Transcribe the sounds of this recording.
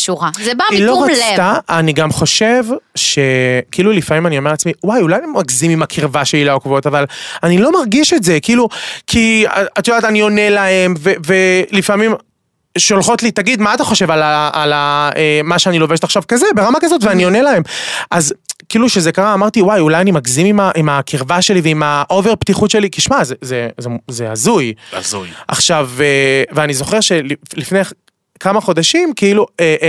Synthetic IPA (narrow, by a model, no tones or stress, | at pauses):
ʃuʁazebailoʁat̪aːniɡamχo̞ʃe̞vʃe̞kiilulifamimanio̞meat͡smiwajulajemaɡzimimakʰiʁvaʃeilaokvotavalanilo̞maʁɡiʃetze̞kiilukʰḭat̪jod̪at̪anio̞ne̞lae̞mvevelifamim | ʃolχo̞tlit̪aɡid̪maːt̪aχo̞ʃe̞valaalaemaʃeanilo̞veʃt̪aχʃavkazebe̞ʁamakazo̞t̪veanio̞nelae̞mʔazkiiluʃezekaʁaːmaʁt̪iwajulajanimakzimimaʔimakʰiʁvaʃe̞liveimaʔo̞veʁpt̪iχutʃe̞likiʃmazezezezeazujazujʔa̰χʃaveveanizo̞χe̞ʁʃe̞llifne̞j | kamaχo̞d̪aʃimkiilueʔ